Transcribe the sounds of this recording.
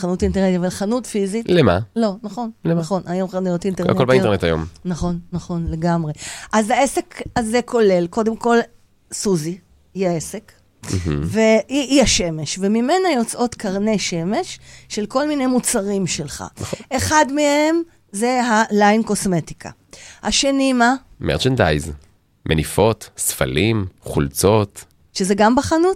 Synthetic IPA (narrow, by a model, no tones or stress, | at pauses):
χanutainteʁntitavalχanutfizitlema̰lo̞naχo̞neaχo̞nʔajo̞mχanujo̞tinteakeolbaintenet̪ajo̰mnaχo̞nːaχo̞nle̞ɡamʁe̞ʔazaese̞kazekʰo̞le̞lko̞de̞mko̞l | suzi | iaese̞k̩ | veiiaʃe̞me̞ʃvemimenajo̞t͡sʔo̞t̪kɐʁneʃe̞me̞ʃːe̞lko̞lmine̞jmut͡saʁimʃe̞lχa̰ʔeχadmehe̞m | zeɦalajnko̞sme̞tikʰa̰ | haʃenima | mʔḛʁt͡ʃenda̰jz | mʔenifo̞tsfa̰limχṵlt͡so̞t̪ | ʃezeɡambaχanut